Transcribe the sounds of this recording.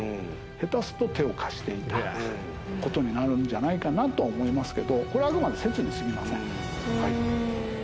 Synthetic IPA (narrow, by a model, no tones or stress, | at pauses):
he̞t̪asɨ̥t̪o̞t̪e̞o̞kʰḁɕi̥t̪e̞it̪a | ko̞t̪o̞ɲ̟inaɾɯ̟nd͡ʑanaikanat̪o̞aomo̞imasɨ̥ke̞d̪o̞ko̞ɾeaɡɯ̟mad̪ese̞t͡sɨɲ̟isɨɡʲimasẽ̞ŋ | hai